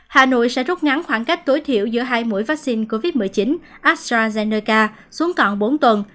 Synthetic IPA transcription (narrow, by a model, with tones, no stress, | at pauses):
haː˨˩no̰˧˨jsɛ̰˧˥zu˦˥t̚ŋa˨˦nxwaː˧˩nka˦˥jk̟̚t̪o˨˦jt̪ʰḭ˧˨əwzɨ̰˧˥əɦaː˧jmṵ˧˥jvaː˦˥k̚si˧nko˧vi˦˥t̚mɨ˨˩əjt͡ɕi˨˦n | ʔaː˦˥stɾaː˧zɛ˧nəː˧kaː˧ | su˨˦əŋkɔ˧˨˩nɓo˨˦nt̪wə˨˩n